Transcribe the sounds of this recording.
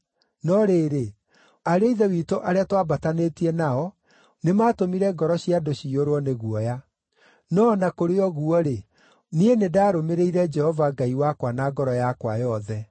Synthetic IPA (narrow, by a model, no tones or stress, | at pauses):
nɔɾeːɾe | aɾeiðɛwiːtoʔaɾeatwabatanetiɛnaɔ | nemaːtomiɾɛɡɔɾɔɕiadoɕioɾwɔneɣuɔja | nɔnakoɾeɔɣuɔɾe | nienedaːɾomeɾeiɾɛd͡ʒɛhɔvaɡaiwakwanaɡɔɾɔjakwajɔðɛ